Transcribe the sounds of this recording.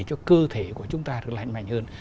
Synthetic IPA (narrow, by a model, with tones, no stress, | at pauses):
t͡ɕɔ˧kɨ˧t̪ʰe˧˩ku˧˩ət͡ɕʊ˨˦ŋ͡mt̪aː˧ɗɨ˨˩ək̚la̰˧˩jŋma̰˧˩jŋ̟həː˧n